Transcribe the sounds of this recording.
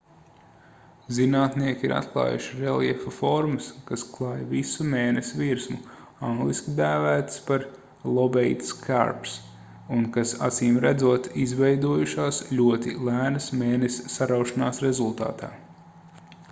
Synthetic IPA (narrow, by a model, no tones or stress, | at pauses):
zinaːt̪niɛkʲiɾʔa̰t̪klˠɑ̰ːjṵʃiɾelˠjɛfɐfɔɾmɐskasklˠɑːjvisumeːnesʲviɾsmu | ãŋɡlˠiskʲid̪æːvæːt̪spaɾ | lˠɔbɛjt̪skʰa̰ɾps | unkasa̰t̪siːmɾæd̪zuɔt̪izvɛjd̪uɔjuʃaːsʎʲuɔt̪ilˠæːnəsmeːnesʲsaɾawʃanaːsɾezulˠt̪a̰ːt̪a̰ː